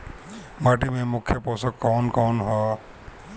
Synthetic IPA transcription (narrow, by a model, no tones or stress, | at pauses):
maʈimemʊkʰːjɔpɔsɔkːɔnkɔwnɦɔ